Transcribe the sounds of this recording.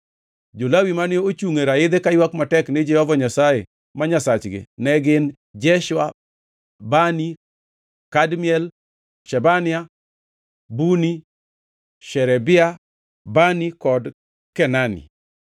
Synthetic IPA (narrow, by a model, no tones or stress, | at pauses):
d͡ʒolawimanɪoot͡ʃuŋeɾaɪd̪ekajwakmatɛknɪd͡ʒɛhɔvɔɲasaje | maɲasat͡ʃɡɪ̰nɛɡɪn | d͡ʒɛʃwa | bani | kadmɪɛl | ʃɛbanɪa | buni | ʃɛɾɛbɪa | banikɔd | kɛnanḭ